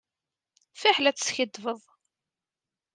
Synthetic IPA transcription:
fiħlæt͡sːsçəd̪vəðˤ

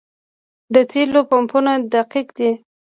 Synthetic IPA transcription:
d̪ət̪ʰelopampunad̪aqikd̪i

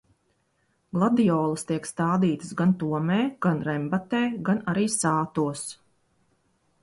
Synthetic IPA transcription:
ɡlˠad̪ijɔːlˠəst̪iɛkst̪aːd̪iːt̪ɨ̥sɡant̪uɔmɛːɡ̥anɾɛmbat̪ɛːɡanaɾiːsaːt̪uɔs

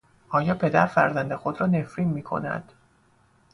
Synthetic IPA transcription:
ʔɒːjɒːpʰe̞d̪æɾfæ̰ɾzænd̪exod̪ɾɒːne̞fɾiːnmiːkʰo̞̰næ̰d̪̥

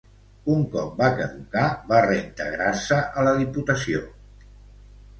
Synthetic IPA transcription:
uŋkɔp̚bakəðukaβareint̪əɣɾarsəʔələðiput̪əsio

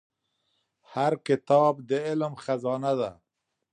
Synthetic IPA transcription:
haɾkɪt̪ɑːbd̪əɪlmxazɑːnad̪a

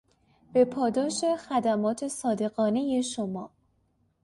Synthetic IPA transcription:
b̥epʰɒːd̪ɒːʃe̞xæd̪æmɒːt̪ʰe̞sɒːd̪e̞ɣɒːne̞je̞ʃomɒː

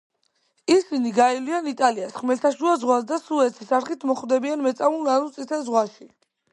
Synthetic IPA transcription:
isiniɡailianit̪ʼaliasχmɛlt̪ʰaʃuazʁwasd̪asuɛt̪ʰisaɾχit̪ʰmɔχwd̪ɛbianmɛt̪sʼavulɡanut̪sʼit̪ʰɛzʁwaʃi

